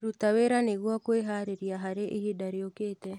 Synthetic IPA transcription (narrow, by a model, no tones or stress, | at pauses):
ɾut̪aweɾaneɣwɔkweɦaɾeɾjaɦaɾeʔihidaɾeoket̪ɛ